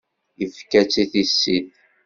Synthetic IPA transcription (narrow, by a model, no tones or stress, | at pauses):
jəvkæt͡sːiθisːid̪